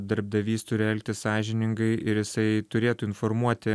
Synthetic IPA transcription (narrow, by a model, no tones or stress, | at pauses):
d̪ɐɾb̚d̪ɐʋʲiːst̪ʊɾʲɛlʲk̚t̪ʲɪsɑːʒʲɪnʲɪŋɡɐɪʔɪɾjɪsɐɪt̪ʊɾʲeːt̪uːɪnfoɾmuɔt̪ʲɪ